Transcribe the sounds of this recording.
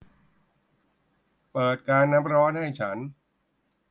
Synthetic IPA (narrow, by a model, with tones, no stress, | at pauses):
pɤː˨˩t̪̚kaː˧nːa˦˥p̚ɾɔː˦˥nha˥˩jt͡ɕʰa˦˥n